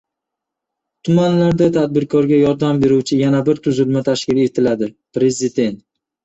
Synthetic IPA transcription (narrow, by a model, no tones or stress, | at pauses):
t̪ʰʊmanlaɾd̪at̪ʰad̪̚bɪɾkʰɒɾɡʲajɒɾd̪ambe̞ɾuwt͡ʃʰɪjanabɪɾt̪ʰʊzɪlmat̪ʰaʃkʲɪle̞t̪ʰɪlad̪ɪpɾe̞zɪd̪e̞nt̪̚